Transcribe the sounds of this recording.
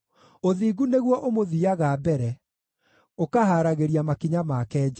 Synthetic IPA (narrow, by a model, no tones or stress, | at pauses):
oðiːɡuneɣwɔʔomoðiaɣaːbɛɾɛ | okaɦaːɾaɣeɾiamakiɲamakɛːd͡ʑa